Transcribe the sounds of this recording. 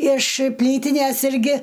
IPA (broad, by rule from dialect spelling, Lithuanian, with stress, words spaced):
ɪʃ ˈpʲlʲiːtʲɪnʲɛs ˈɪrʲɡʲɪ